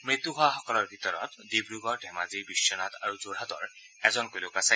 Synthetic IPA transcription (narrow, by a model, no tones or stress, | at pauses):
mɹit̪uɦʊaxɔkɔlɔɹbʱit̪ɔɹɔ̰t̪d̪ibɹuɡɔɹdʱɛmazibiʃːɔnat̪aɹuzoɹɦat̪ɔ̰ɹ | ɛzɔnkolokasa